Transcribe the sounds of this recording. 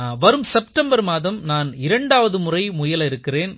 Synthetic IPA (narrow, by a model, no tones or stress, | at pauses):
ʋɐɾɯmsɛpʈɐmbɐɾmaːðɐmnaːnɪɾɐɳɖaːʋɐðɯmʊrɐɪmʊjɐlɐɪɾɯkːɪreːn